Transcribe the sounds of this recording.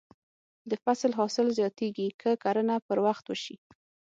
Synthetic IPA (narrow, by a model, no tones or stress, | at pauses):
d̪əfaslɦɑsɪlzjɑt̪eɡikʰəkaɾənapəɾwaxt̪wəʃi